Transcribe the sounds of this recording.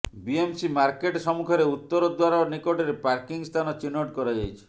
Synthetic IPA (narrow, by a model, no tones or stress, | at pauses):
biemsimaɾkeʈsɔmukʰɔɾeut̪ːɔɾɔd̪waɾanikoʈeɾepaɾkiŋst̪ʰanɔt͡ʃinoʈkɔɾajd͡ʒajt͡ʃʰi̥